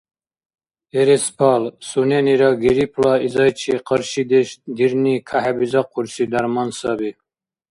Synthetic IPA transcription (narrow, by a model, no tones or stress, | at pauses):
eɾespʰɑlsuneniɾɑɡeɾipʰlɑizɑjt͡ʃʰiqəɾʃid̪eʃd̪iɾnikʰaɦabizɑqʰuɾsid̪aɾmɑnsɑbi